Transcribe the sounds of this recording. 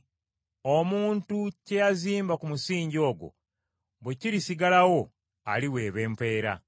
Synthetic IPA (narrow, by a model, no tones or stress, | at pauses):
omuːntuce̞jaziːmbakumusiːɲɟo̞ːɡo̞̰ | βwe̞ciɾisiɡalawo̞ | a̰liwe̞ːβe̞ːmpe̞ːɾa̰